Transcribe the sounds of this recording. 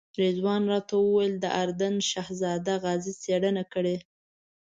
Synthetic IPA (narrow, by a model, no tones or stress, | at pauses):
ɾezwɑnɾɑt̪awəwajəld̪əʔaɾd̪anʃahzɑd̪aɣɑzit͡seɽənakəɽe